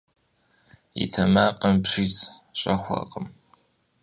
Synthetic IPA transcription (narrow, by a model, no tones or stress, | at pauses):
jḭtʰɐmaːqʼɐmpʂiːsɕʼɐxʷɐ̰qʼəm